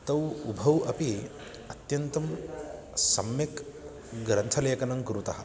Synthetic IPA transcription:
t̪ɐwubʱɐwɐpi | ɐt̪jɐnt̪ɐm | sɐmjɐk | ɡɾɐnt̪ʰɐlɐjɐkɐnɐŋkɐɾut̪ɐɦɐ

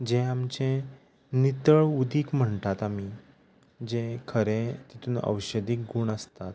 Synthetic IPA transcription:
d͡ʑẽamt͡ɕẽ | nit̪əɭud̪iːkm̤əɳt̪at̪ami | d͡ʑẽkʰəɾẽt̪it̪ʰuːnə̰wɕəd̪iːk̚ɡuːɳəst̪at̪

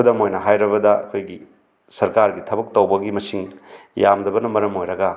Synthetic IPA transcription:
dɐmojnɐɦajɾɐβɐdɐɐ̰kʰojɡi | sɐɾkaɾɡitʰɐbɐk̚tɐwbɐɡimɐsiŋjamdɐbɐnɐmɐɾɐmojɾɐɡɐ

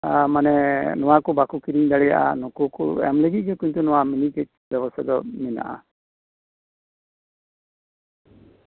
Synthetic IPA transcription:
manɛnɔwakubakukiɾiɲd̪aɽɛja̰ʔa̰nɔkukṵɛ̰mlɛɡit̪̚d͡ʒɔkuɲt̪unɔwaminikɛt̚bɛbɔst̪ʰad̪ɔmɛna̰ʔa̰

